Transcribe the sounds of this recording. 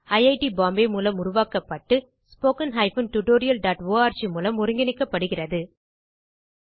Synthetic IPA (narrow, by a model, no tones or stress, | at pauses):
ɐɪjɐɪʈibaːmbemuːlɐmʊɾʊʋaːkɐpːɐʈːɯ | spoːkɐnɦɐɪfɯnʈʊʈoːɾɪjɐlɖaːʈʋoːaːɾt͡ʃimuːlɐmʊɾɪŋɡɪnɪkːɐpːɐɽɯɣɪrɐðɯ